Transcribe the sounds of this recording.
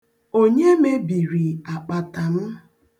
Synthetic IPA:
o˦ɲe˦me˦bi˨ɾi˨a˨k͡pa˨ta˨m̩˦

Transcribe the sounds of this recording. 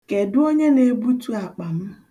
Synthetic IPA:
ke˨dʊ˦o˦ɲe˦ne˨bu˦tu˦a˨k͡pa˨m̩˦

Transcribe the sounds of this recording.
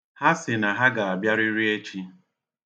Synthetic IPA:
ha˦sɪ˨na˨ɦa˦ɡa˨a˨bja˦ɾi˦ɾi˦e˦t͡ʃi˦

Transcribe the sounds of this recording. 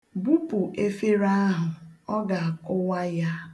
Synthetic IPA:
bu˦pʊ˨ʔe˦fe˦ɾa˦ɦʊ˨ɔ˦ɡa˨a˨kʊ˦wa˦ja˦

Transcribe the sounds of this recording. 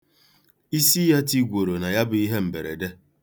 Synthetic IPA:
i˦si˦ja˦ti˦ɡʷo˨ɾo˨na˨ja˦bʊ˨i˦ɦe˦m̩˨be˨ɾḛ˨de˦

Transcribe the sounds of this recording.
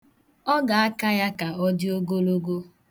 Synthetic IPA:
ɔ˦ɡa˨a˦ka˦ja˦ka˨ɔ˦dɪ˦o˦ɡo˦lo˦ɡo˦

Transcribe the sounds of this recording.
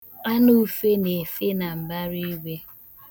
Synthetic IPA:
a˦nu˦fe˦ne˨fe˦na˨m̩˨ba˦ɾi˦i˦ɡʷe˦

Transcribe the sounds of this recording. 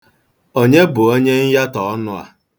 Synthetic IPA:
o˦ɲe˦bʊ˨o˦ɲe˦n̩˦ja˦tɔ˨ɔ˦nʊ˦a̰˨

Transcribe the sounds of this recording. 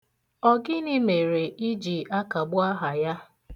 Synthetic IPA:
ɔ˨ɡɪ˦nɪ˦me˨ɾe˨i˦d͡ʒi˨ʔa˦ka˨ɡ͡bʊ˦a˦ɦa˨ja˦

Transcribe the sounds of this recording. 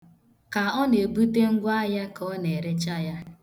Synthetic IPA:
ka˨ɔ˦ne˨bu˦te˦ŋ̩˦ɡʷa˦ja˦kɔ˦ne˨ɾe˦t͡ʃa˦ja˦

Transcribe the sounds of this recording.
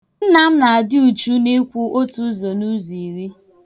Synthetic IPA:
n̩˦na˦m̩˦na˨a˨dɪ˦u˨t͡ʃu˦ne˦kʷu˦ʔo˦tu˦zo˨nu˦zi˨ɾi˦

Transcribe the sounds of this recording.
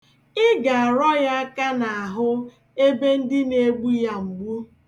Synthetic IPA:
ɪ˦ɡa˨a˨ɾɔ˦ja˦a˦ka˦na˨a˨ɦʊ˦ | e˦be˦n̩˦dɪ˦ne˨˦ɡ͡bu˦ja˦ŋ͡m̩˨ɡ͡bu˦

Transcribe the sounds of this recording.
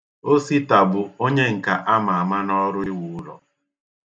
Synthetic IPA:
o˦si˦ta˨bʊ˨o˦ɲe˦ŋ̩˨ka˨ʔa˦ma˨a˨ma˦nɔ˦ɾʊ˦ɪ˦wʊ˨ʊ˦ɾɔ̰˨

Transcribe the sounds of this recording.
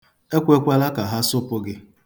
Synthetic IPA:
e˦kʷe˦kʷa˦la˦ka˨ɦa˦sʊ˦pʊ˦ɡɪ˦

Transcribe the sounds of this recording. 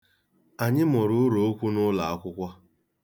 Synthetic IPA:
a˨ɲɪ˦mɔ˨ɾʊ˨ʊ˦ɾo˨o˦kʷu˦nʊ˦la˨a˦kʷʊ˦kʷɔ˦

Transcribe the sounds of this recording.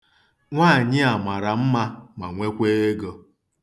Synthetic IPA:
ŋʷa˦˨ɲɪ˦a˨ma˨ɾa˨m̩˦ma˦ma˨ŋʷe˦kʷe˦e˦ɡo˦

